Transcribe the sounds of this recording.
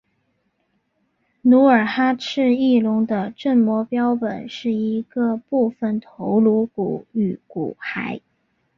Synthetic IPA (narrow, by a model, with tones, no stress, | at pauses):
nu˧˥ə˞˨˩xa˥ʈ͡ʂʰɻ̩˥˧i˥˩lʊ˧˥ŋd̪ə˧ʈ͡ʂə˥˩nmwɔ˧˥pjɑ˥ʊpə̰˨˩nʂɻ̩˥˩i˧˥ɡə˧pu˥˩fə˨˩nt̪ʰo˧˥ʊlu˧˥ku˨˩˦y˨˩kṵ˨˩xa˧˥ɪ